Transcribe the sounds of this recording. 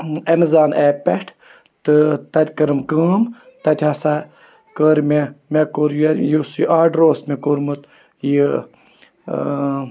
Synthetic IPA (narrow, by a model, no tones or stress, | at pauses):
ɐmizaːnʔeːpeʈʰ | t̪ɨt̪ɐt̪ʲkɐɾɨmkəːm | t̪ɐt̪ʲhasa | kəːɾmemekoɾjejusjiʔaːɖɾoːsmekoɾmɨt̪ | ji